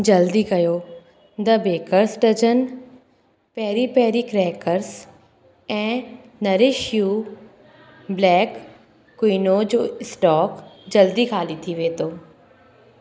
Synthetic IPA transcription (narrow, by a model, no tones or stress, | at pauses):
d͡ʑɐld̪iɡɐjoː | d̪ɐbeːkəɾsʈɐd͡ʒən | pɛːɾipɛːɾikɾɛːkəɾs | ɛ̃ː | nɐɾeʃju | blɛːkː | wiːnod͡ʑoːɪsʈɔːkd͡ʑɐld̪ikʰaːlit̪ʰiʋeːt̪oː